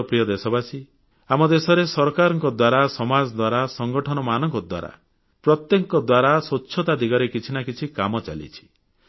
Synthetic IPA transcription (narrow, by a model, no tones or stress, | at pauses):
pɾijɔd̪esɔbasi | amɔd̪esɔɾesɔɾkaɾɔŋkɔd̪waɾasɔmad͡ʒɔd̪waɾasɔŋɡɔʈʰɔnɔmanɔŋkɔd̪wa̰ɾa̰ | pɾɔt̪jɔŋkɔd̪waɾasɔtːt͡ʃʰʃʰɔt̪ad̪iɡɔɾekit͡ʃʰinakit͡ʃʰikamɔt͡ʃa̰lḭt͡ʃʰi̥